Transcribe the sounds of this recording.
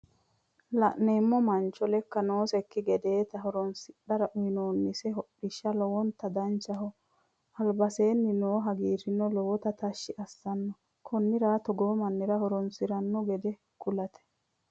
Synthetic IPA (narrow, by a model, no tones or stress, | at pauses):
lɐ̰ʔneːmːɔmɐnt͡ʃːɔlɛkːɐnoːsɛkːɪɡɛd̪e̞ːt̪ɐɦɔɾɔnsɪɗɐɾɐʔʊɪnoːnːɪsɛɦɔɗɪʃːɐlɔwɔnt̪ɐd̪ɐnt͡ʃːɐɦɔ | ɐlbɐse̞ːnːɪnoːɦɐɡiːʃɪnːɔlɔwɔt̪ɐt̪ɐʃːɪʔɐsːɐnːɔ | kʰɔnːɪɾaːt̪ɔɡɔmɐnːɪɾɐhɔɾɔnsɪɾɐnːɔɡɛd̪ɛ | kʰʊlɐt̪ʰɛ̥